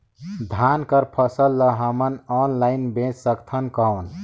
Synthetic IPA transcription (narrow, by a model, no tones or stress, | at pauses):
d̪ʱankəɾpʰəsəlːəɦəmənɔnlainbẽt͡ʃsəkt̪ʰənkəwn